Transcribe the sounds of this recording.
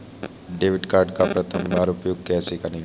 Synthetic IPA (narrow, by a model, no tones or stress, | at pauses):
ɖeːʋɪʈkaːɾɖkapɾət̪ʰəmbaːɾopjoɡkɛːsikani